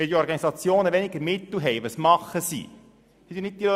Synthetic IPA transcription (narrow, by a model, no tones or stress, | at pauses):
ʋɛld̪iɔɾɡɑnisɑt͡sjoːnəʋɛnɪɡəɾmɪt̪l̩ɦɛjʋəsmɑχːəsḭ | hit̪inɪt̚d̪ilø